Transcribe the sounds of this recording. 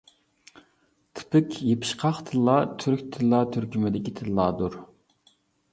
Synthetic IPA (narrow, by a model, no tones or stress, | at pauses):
t̪ʰɪ̥pɪkʲjepʰɪ̥ʃqʰɑχt̪ʰɨlˠːɑːt̪ʰyɾkʲt̪ʰɨlːɑːt̪ʰyɾkʲymɪd̪ɪkʲit̪ʰɪlːɑːd̪uɾ